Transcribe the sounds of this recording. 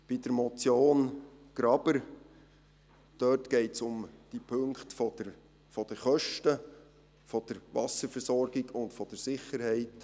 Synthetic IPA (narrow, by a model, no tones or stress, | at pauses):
b̥id̥əɾmɔt͡sjoːnɡ̥ɾɑbəɾ | d̥œtɡ̥ɛɪtsʊmd̥ipʰɵŋkχtfɔə | fɔd̥əχœʃtə | fɔd̥əɾʋɑsəɾfəɾsɔrɡ̥ɪɡʊntfɔd̥əsɪχəɾhɛɪt